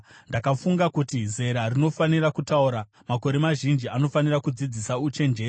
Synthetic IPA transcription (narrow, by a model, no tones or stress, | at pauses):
ndakafuŋɡakutize̞ɾarino̞fanirakutauɾa | mako̞ɾe̞maʒind͡ʒiano̞fanirakud͡zid͡zisaut͡ʃe̞nd͡ʒe̞ː